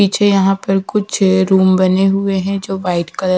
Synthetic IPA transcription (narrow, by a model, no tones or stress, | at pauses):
iːt͡ʃʰejɐɦãpɐɾkʊt͡ʃʰɾuːmbɐneɦʊeɦɛ̃d͡ʒoːʋaːɪʈkɐɾ